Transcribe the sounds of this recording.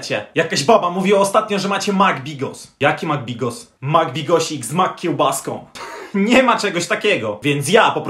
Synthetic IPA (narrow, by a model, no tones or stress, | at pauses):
t͡ɕɛjakaʑbabamuvʲiwaɔst̪at̪̚ɲɔ̃ʐɛmat͡ɕɛmaɡbʲiɡɔ̰sjakʲimaɡ̚bʲiɡɔs | maɡbʲiɡɔɕiɡzmakʲːiwbaskɔ̰̃w̃ɲɛmat͡ʂɛɡɔɕt̪akʲɛɡɔvʲjɛnt̪s̬japɔpɾ